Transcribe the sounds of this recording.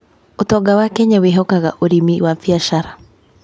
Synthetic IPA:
ʊt̪ɔɡawakɛɲawɪɦɔkaka̰ʔoɾimiwafiaʃaɾa

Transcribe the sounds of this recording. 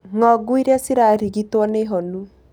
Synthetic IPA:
ŋɔɡuiɾɛsiɾaɾiɡitɔneɦɔnu

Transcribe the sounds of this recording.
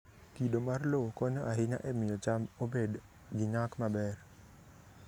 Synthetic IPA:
kidomarlokɔɲoʔaɦɪɲa̰ʔɛmɪjot͡ʃamobed | ɡiɲakmabɛr

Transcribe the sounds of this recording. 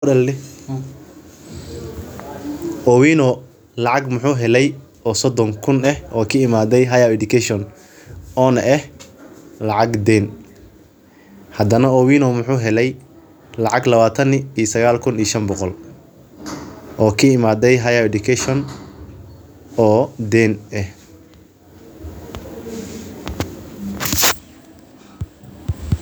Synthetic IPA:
dɐlːɪ | ʔɔwinɔ | lɑʕɑɡmʊħuːɦɛlɛj | ʔɔːsɔd̪ɔŋkʰʊnɛhʔɔːkʰɐɪmaːd̪ɛjɦɐjawɛd̪ʊkʰɛʃɔn | ɔːnɐʔɛh | lɑʕɑɡd̪ɛn | hɐd̪ɐnɐɔwiːnɔmʊħuːɦɛlɛj | lɑʕɑɡlɐβaːt̪ʰɐniːsɐɣaːlkʰʊniːʃɐnbɔqɔl | ʔɔːkʰɐɪmaːd̪ɛjɦɐjawɛd̪ʊkʰɛʃɔn | ɔːd̪ɛnɛh

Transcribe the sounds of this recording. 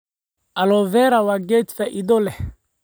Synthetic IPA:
ʔɐlɔvɛɾawaɡɛt̪faʔid̪ɔlɛh

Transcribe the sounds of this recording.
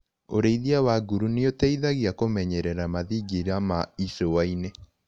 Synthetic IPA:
oɾeiðiawaɡuɾuneotɛiðaɣiakomɛɲɛɾɛɾamaðiɡeɾamaisowaine

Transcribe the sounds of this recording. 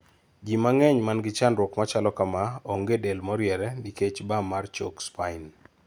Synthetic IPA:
d͡ʒimaŋɛɲmanɡɪt͡ʃanɾwɔkmat͡ʃalɔkamaoŋɡedelmɔɾjɛɾɛniket͡ʃbamart͡ʃokspain

